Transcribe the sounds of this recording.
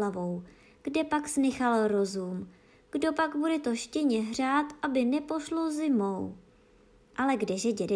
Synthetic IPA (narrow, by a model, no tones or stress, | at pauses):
avo̞w | ɡ̥dɛpaksnɪxalɾo̞zuːm | ɡ̥do̞paɡbudɛt̪o̞ʃcɛɲɛɦr̝aːt̪ʔabɪnɛpo̞ʃlozɪmo̞w | ʔalɛɡdɛʒɛɟɛdɛ